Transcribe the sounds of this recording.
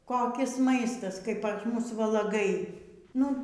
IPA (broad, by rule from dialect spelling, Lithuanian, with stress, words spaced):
koːˈkʲɪs ˈmɐɪstɐs kɐɪ pɐs ˈmʊs ʋɐlˠɐˈɡɐɪ ˈnʊ